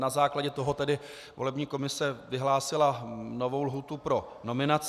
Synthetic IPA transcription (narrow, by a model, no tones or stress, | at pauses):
nazaːklaɟɛt̪o̞ɦo̞t̪ɛdɪ | vo̞lɛbɲiːko̞mɪsɛvɪɦlaːsɪlanovo̞wlɦuːt̪upɾo̞ | no̞mɪnat͡s